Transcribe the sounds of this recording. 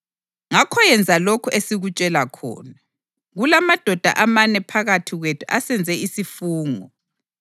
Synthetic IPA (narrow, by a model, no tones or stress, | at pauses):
ŋakʰɔjɛnd͡zʱalokʰuʔesiɣut͡ʃʼɛlakʰɔ̰ːna | ɣulamad̥ʱɔd̥ʱa̰ʔamanɛpʰaɣatʰiɣwetʰuʔasɛnd͡zʱɛisifuːŋɔ